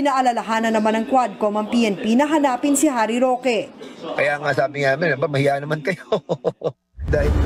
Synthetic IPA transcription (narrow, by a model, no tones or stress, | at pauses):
ɪnaːʔɐlɐlɐɦaːnɐnɐmanɐŋkwad̪̚komɐŋpiʔɛnpinɐɦɐnaːpɪnsɪɦaːɾiɾoːkɛkɐjaŋasɐʔaːbɪŋamɪnɐbamɐhɪjaːʔnɐmankɐjo | d̪aːhɪl